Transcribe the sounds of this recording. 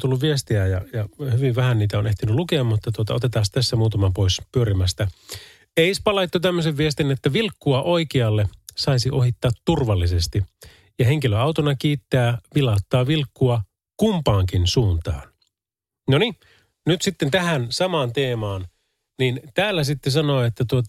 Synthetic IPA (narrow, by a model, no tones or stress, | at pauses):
t̪ulːuʋʋiest̪iæjɑjɑhyʋiʋʋæhænniːt̪æone̞ht̪inylukeɑmmut̪ːɑt̪uot̪ɑ̰ot̪e̞t̪ɑːst̪æsːæmuːt̪ɑmɑpo̞ispyøɾimæst̪æ | eispɑlɑjt̪ːot̪æmːøseʋʋiest̪inet̪ːæʋilkːuɑʔo̞ikiɑlːesɑisiʔo̞ɦit̪ːɑːt̪ːurʋɑlːise̞st̪i | jɑɦeŋkiløɑwt̪onɑkiːt̪ːæːʋilɑut̪ːɑːʋilkːuɑ | kumpɑːŋkinsuːnt̪ɑ̰ːn | noni | nyt̪sit̪ːent̪æɦænsɑmɑːnt̪eːmɑːn | nint̪æːlːæsit̪ːes̬ɑno̞ːet̪ːæt̪uot̪ɑ